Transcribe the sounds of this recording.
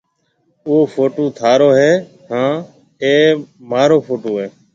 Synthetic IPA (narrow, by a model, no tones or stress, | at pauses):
ʊoːfʰoːʈoːt̪ʰaːɾoːɦeː | hãː | eːmaːɾoːpʰoːʈoːɦeː